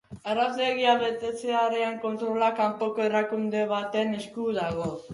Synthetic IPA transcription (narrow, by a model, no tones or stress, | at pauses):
arazle̞ɣiaβe̞t̪e̞t͡seaɾeaŋko̞nt̪ɾo̞lakampo̞ko̞e̞rakund̪e̞β̞at̪e̞ne̞skuðaɣ̞o̞